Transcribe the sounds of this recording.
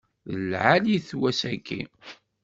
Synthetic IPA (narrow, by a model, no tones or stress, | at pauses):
ðəlʕaliθwæsækːḭ